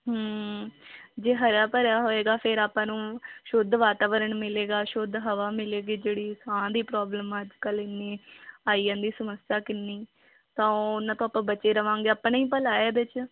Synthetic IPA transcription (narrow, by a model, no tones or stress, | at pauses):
ɦəː | d͡ʒeːɦəɾjaːpəɾjaːɦoːeːɡaːpʰɪɾaːpãːnũːʃʊd̪ʱʋaːt̪aːʋəɾəɳmɪleːɡaːʃʊd̪ɦəʋaːmɪleːɡiːd͡ʒeːɽiːsãːd̪iːpɾɔːbləmaːd͡ʒkəlɪnːeːaːiːãːnd̪iːsəməsjaːkɪnːiː | t̪ãːʊnːãːt̪õːaːpːãːbət͡ʃːeːɾəʋãːŋɡeːaːpːniːpəlaːeːbɪt͡ʃ